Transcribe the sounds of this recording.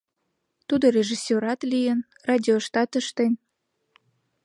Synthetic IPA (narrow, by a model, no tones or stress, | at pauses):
t̪ud̪orʲeʒisʲːøɾɑt̪lijən | rɑd̪ʲioʃt̪ɑt̪əʃt̪en